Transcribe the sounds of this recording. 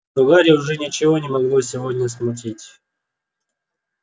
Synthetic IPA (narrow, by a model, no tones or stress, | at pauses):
ʊɡaɾʲəʊʐɛnʲɪt͡ɕɪvonʲɪmɐɡlˠosʲɪvodʲnʲəsmʊt̬ʲitʲ